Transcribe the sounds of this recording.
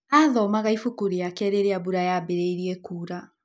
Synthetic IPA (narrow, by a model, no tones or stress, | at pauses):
aðɔmaɣaifukuɾiakɛːɾeɾeabuɾajabeɾeiɾiɛkuːɾa